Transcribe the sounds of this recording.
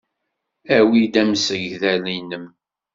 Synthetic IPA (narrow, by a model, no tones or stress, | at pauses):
æwid̪æmsəʝðælinəm